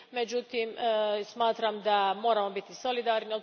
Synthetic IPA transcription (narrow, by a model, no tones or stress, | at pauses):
me̞d͡ʑut̪imsmaːt̪ɾamd̪amo̞ːɾamo̞bit̪iso̞lid̪aːɾnio